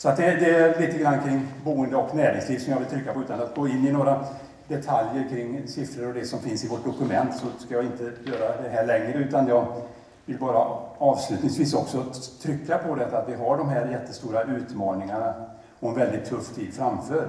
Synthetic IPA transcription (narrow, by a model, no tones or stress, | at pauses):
sɔat̪̚d̪ɛd̪ɛæliːt̪əɡɾanːkʰɾɪŋːbuːənd̪əɔknæːɾɪŋsliːvsɔmjɑvɪlt̪ʰɾʏkːapɔʉ̟ːt̪anat̪̚ɡoːɪnːɪnoːɾa | d̪ɛt̪ʰaljəɾkʰɾɪŋːsɪfɾəɾɔd̪ɛsɔmfɪnsɪvɔʈ̚ɖ̪ʊkɵmɛnt̪sɔskajɑːɪnt̪əjøːɾad̪ɛɦæːɭɛŋːɾəʉ̟ːt̪anjɑːɡ | vɪlbɑːɾaɑːvslʉ̟ːt̪nɪŋsviːsɔksɔt̪ʰɾʏkːapʰɔd̪ɛt̪ːat̪vɪɦaɖɔmɦæːɾjɛt̪ːəst̪uːɾaʔʉ̟ːt̪mɑːnɪŋana | ɔɛnvɛld̪ɪt̪ʰːɵft̪ʰiːd̪fɾamføːɾ